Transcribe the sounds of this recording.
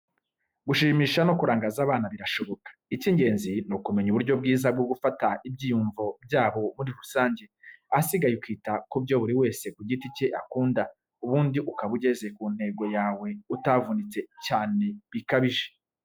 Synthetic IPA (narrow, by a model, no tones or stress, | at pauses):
ɡuʃiːmiːʃano̞kuɾaːŋɡaːzaːβaːnaβiɾaʃo̞βo̞kḁiciːɲɟe̞ːnzinukume̞ɲuβuɾɟo̞b̚ɡiːzab̚ɡoɡufataib̚ɟiːjuɱvob̚ɟaːβo̞muɾiɾusaːɲɟe̞asiɡajukwiːtakubɟo̞βuɾiwe̞ːse̞kuɟiticeʔakuːnda | uβuːndiʔukaβuɟe̞ze̞kun̥he̞ɡo̞jaːwe̞utavunit͡se̞caːne̞βikaβiʒe̞